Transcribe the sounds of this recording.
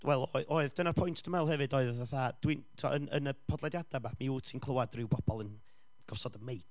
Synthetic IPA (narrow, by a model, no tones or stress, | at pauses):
wɛlˠɔɨʔoɨðdənarpʰɔjntʰd̥əmɛlˠɦɛvɨdɔɨðaθad̥wintʰua̰ʔənə̰nəpʰɔdlˠɛdjadamamiuːsʰinkʰlˠəwadrɪwbʰɔb̥ɔlˠən | ɡ̥ɔsɔdəmejd